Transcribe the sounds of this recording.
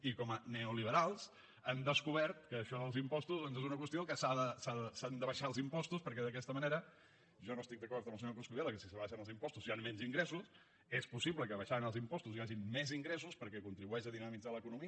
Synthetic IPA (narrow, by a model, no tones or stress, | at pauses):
ikɔməneuliβəɾalˠs | əmd̪əskuβ̞ɛɾt̪̚kəːʃɔðəlˠzimpɔst̪uzðɔnzezunəkwəst̪iokəsaðəsaðəsand̪əβəʃaəlˠzimpɔst̪uspəɾkɛðək̬ɛst̪əməneɾə | ʒɔnoəst̪ik̚d̪əkɔɾt̪əməlˠsəɲokɾoskuðeləkəsisəβaʃənəlˠzimpɔst̪uzianmɛnziŋɡɾɛsus | espusiβləkəβəʃanəlˠzimpɔst̪uziaʒinmɛziŋɡɾɛs̬uspəɾkɛkunt̪ɾiβuɛʃəðinəmid͡zaləkunumiə